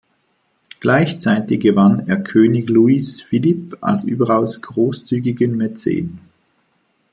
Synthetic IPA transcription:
ɡ̥laɪçt͡saɪtɪçɡ̥əvaneːɐkʰøːnɪçluisfilipa̰lsʔy̰ːbɐʁaʊsɡ̥ʁoːst͡syːɡɪɡənmɛt͡sḛːn

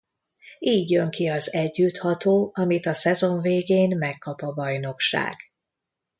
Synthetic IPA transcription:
iːɟjø̞ŋkiɒzɛɟːyt̪hɒt̪oːɒmit̪ɒsɛzo̞ɱveːɡeːnmɛkːɒpɒbɒjno̞kʃa̰ːɡ̥

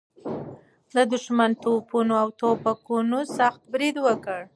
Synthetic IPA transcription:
d̪əd̪ʊʃmant̪opunoawt̪opakunosaxt̪̚bɾid̪wəkəɽ

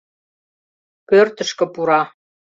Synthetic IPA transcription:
kørt̪ə̆ʃkə̆puɾɑ

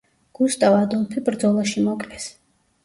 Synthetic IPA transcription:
ɡ̥ust̪ʼavad̪ɔmpʰibɾd̪zɔlˠaʃimɔkʼlɛs

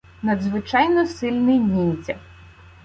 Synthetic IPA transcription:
nɐd̪zʋɪt͡ʃɑjnɔsɪlʲnɪjnʲinʲt͡sʲɐ̰

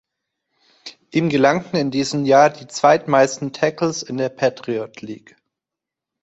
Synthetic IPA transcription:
ʔiːmɡəlaŋtn̩ɪndiːzəmjaːɐdiːt͡sv̥aɪtmaɪstn̩tʰɛkl̩sɪndeːɐpʰaːtʁ̥iɔtʰliːk

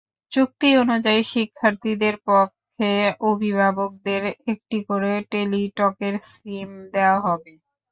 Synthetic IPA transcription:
t͡ɕuk̚t̪ionud͡ʑaiʃikʰːaɾt̪id̪eɾpɔkʰːeobʱibʱabok̚d̪eɾek̚ʈikoɾeʈeliʈɔkeɾskimd̪eoaɦɔbe

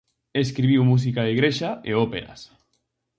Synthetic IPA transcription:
eskɾiβ̞iwmus̬ikaðeɣɾeʃaeopeɾa̰s

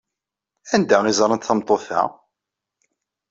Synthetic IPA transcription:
ænd̪æizˤɾˤənt̪θəmt̪ˤːoθæ̰

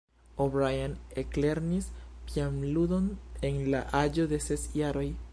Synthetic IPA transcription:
obɾajanekleɾnispiamlud̪o̞nenlaʔad͡ʒo̞d̪e̞sesjaɾo̞j

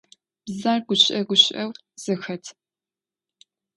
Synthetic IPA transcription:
b̥zaːrɡʷʊɕʼɐɡʷʊɕɐw | z̥ɨxɐtʰ

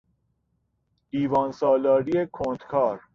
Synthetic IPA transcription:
diːvɑːnsɔːlɒːɾiekʰõːnt̪kʰɑːɾ

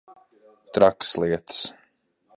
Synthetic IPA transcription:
t̪ɾakslˠiɛt̪ɨ̥s

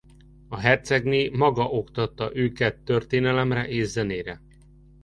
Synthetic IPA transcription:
ɒɦɛrt̪sɛɡneːmɒɡɒʔo̞kt̪ɒt̪ːɒʔøːkɛt̪ːørt̪eːnɛlɛmrɛʔeːzːɛneːɾɛ

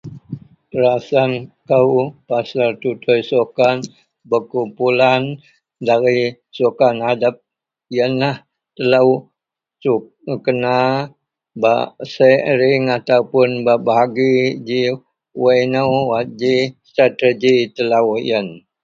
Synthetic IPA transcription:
təɾasankəwpasart̪ut̪ʰojsokan | bəkumpulan | daɾi | sokanhadap̚ | ijənlah | t̪əlaw | su | kəna | ba̰səɾɪŋat̪aupʊnbabaɦaɡid͡ʒi | wajnəwwad͡ʒist̪ɾat̪əd͡ʒit̪əlawjən

